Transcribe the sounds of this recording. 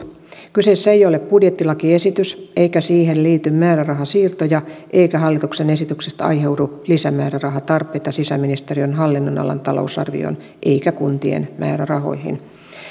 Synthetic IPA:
kysesːæejo̞lepbudjet̪ːilɑkie̞sit̪ysʔe̞jkæsiːɦe̞nliːt̪ymmæːɾærɑɦɑsiːrt̪o̞jɑʔe̞jkæɦɑlːit̪uksene̞sit̪yksest̪ɑ̰jɦe̞wdulisæmæːɾærɑɦɑt̪ɑrpˑejt̪ɑsisæminist̪eriønɦɑlːinːo̞nɑ̰lɑ̰nt̪ɑlo̞̰usɑ̰rʋḭo̰n | ʔe̞jkækunt̪iḛnmʔæ̰ːɾærɑɦo̞̰jɦḭn

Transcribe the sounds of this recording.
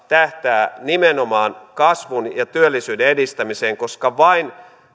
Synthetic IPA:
t̪æht̪æːnimenomɑːnkɑsʋunjɑt̪yølːisyːdeedist̪æmise̞ːŋko̞skɑʋɑin

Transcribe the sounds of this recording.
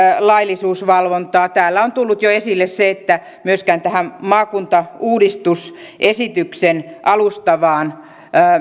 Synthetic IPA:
lɑilisuːsʋɑlʋont̪ɑːt̪æːlːæont̪ulːut̪joesilːesseet̪ːæ | myøskæːnt̪æhæmmɑːkunt̪ɑuːdist̪usʔesit̪yksenʔɑlust̪ɑʋɑːnː

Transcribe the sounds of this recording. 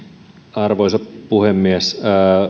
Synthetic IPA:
ɑrʋoisɑppuhemːies

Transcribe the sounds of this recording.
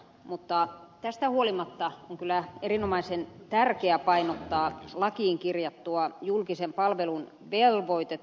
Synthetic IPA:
mut̪ːɑt̪æst̪æhuolimɑt̪ːɑoŋkylˑæerinomɑisent̪ærkeæpɑinot̪ːɑːlɑkiːŋkirjɑt̪ːuɑjulkisempɑlʋelun | ʋelʋoit̪e

